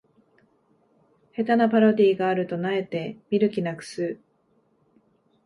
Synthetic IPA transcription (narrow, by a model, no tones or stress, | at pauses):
he̞t̪anapaɾo̞d̪ʲiːɡaːɾɯ̟t̪o̞nae̞t̪e̞mʲiɾɯ̟kʲinakɯ̟̥sɨː